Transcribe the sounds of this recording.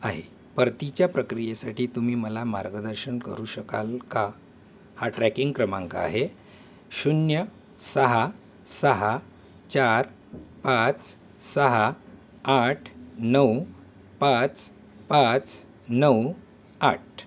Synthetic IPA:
aɦḛ | pəɾt̪it͡ɕjapɾəkɾijesaʈiːt̪umiːməlama̰ɾɡəd̪əɾɕənkə̰ɾuːɕəkalka | haʈɾækiŋɡkɾəmã̰ŋka̰ːɦe | ɕunjə | səɦa | səɦa | t͡ɕaɾ | pat͡s | səɦa | aʈʰnəw | pãt͡s | pat͡s | nəw | aʈ̚ʰ

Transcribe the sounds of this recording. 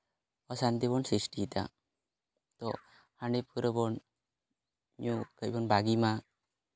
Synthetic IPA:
ɔsant̪ebɔnsisʈit̪a̰ | t̪ɔ | haɳepʰɯɾəbɔn | ɲukəjbɔnbaɡima

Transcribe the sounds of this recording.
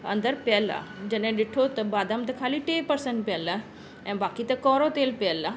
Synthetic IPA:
ɐ̰̃nd̪əɾpɛla̰d͡ʑɐnẽɗɪʈʰot̪ɐbaːd̪amt̪ɐkʰaːliʈeːpɐɾsə̃ɳʈpjəla | ɛ̃ːbaːkit̪ɐkɔːɾot̪eːlpeəlːa

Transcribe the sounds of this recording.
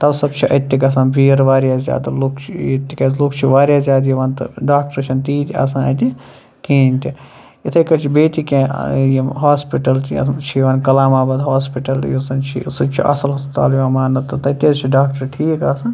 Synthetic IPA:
t̪ɐbsɐbt͡ʃʰiʔɐ̰t̪ːikɐs̬ɐnbiːɾʋaːɾʲjaːzʲja̰ːd̪ɐlokt͡ʃʰiit̪ːikɐloːkt͡ʃʰiʋaːɾʲjaːzjaːd̪jiʋɐnt̪ɐ̰ɖaːk̚ʈɐɾt͡ʃʰint̪iːt̪iɐ̰sãnɐ̰t̪i | keːnt̪i | it̪ʰɐkɐt͡ʃʰibeːt̪ikejimɦaːspiʈɐlt̪ʰḭt͡ʃʰiʋɐnkɐlaːmaːbɐd̪ɦaːspiʈɐl̰jisɐnt͡ʃʰḭsɐt͡ʃʰiʔɐ̰sɐlɦɐspit̪a̰ːljiɐmaːnɐt̪ːɨt̪ɐt̪ːɐt͡ʃʰiɖaːk̚ʈɐɾʈʰiːkɐsɐ̃n

